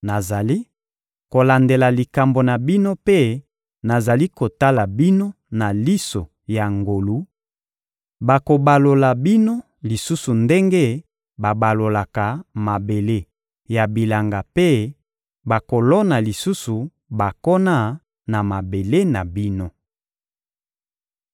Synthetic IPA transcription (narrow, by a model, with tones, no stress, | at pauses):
na˨za˨li˦ | ko˨la˨nde˨la˨li˨ka˨mbo˨na˨bi˦no˦pe˦ | na˨za˨li˦ko˨ta˦la˨bi˦no˦ | na˨li˦so˨ | ja˨ŋɡo˨lu˨˦ | ba˨ko˨ba˨lo˨la˨bi˦no˦ | li˨su˦su˨nde˦ŋɡe˦ | ba˨ba˨lo˨la˨ka˨ma˨be˨le˦ | ja˨bi˨la˨ŋɡa˨pe˦ | ba˨ko˨lɔ˦na˨li˨su˦su˨ | ba˨kɔ˦na˦˨ | na˨ma˨be˨le˦na˨bi˦no˦